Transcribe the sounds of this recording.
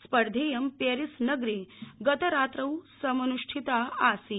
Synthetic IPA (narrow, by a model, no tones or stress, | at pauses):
spɐɾd̪ʱeːjɐmpjɐɾisnɐɡɾeɡɐt̪ɐɾaːt̪ɾɐwsɐmɐnuʂʈʰit̪aaːsi